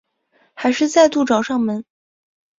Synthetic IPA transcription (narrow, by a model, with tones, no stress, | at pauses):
xa˧˥ɪʂɻ̩˥˧t͡sa˥˧ɪt̪u˥˩ʈ͡ʂɑ˨˧˥ʊʂɑ˥˩ŋmə˨˩n